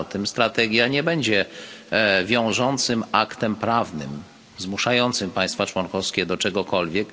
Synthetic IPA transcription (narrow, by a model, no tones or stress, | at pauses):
t̪ɘmst̪ɾat̪ɛɡʲjaɲɛbɛɲd͡ʑɛ | vʲjɔ̃w̃ʐɔnt̪sɘmakt̪ɛmpɾavnɘ̰m | zmuʂajɔnt̪sɘmpaj̃st̪fat͡ʂwɔnkɔfskʲɛd̪ɔt͡ʂɛɡɔkɔlvʲjɛk